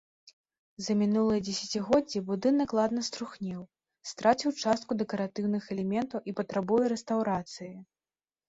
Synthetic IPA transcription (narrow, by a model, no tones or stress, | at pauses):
zɐmʲinulˠɨjɐd͡zʲɛsʲat͡sʲiɣɔd͡zʲːibud̪ɨnɐklˠad̪nɐst̪ɾuxnʲɛw | st̪ɾat͡sʲiwt͡ʂast̪̚kud̪ɛkɐɾat̪ɨwnɨxɛlʲɛmʲɛnt̪ɐwʔipɐt̪ɾabujɛɾɛst̪awɾat̪sɨji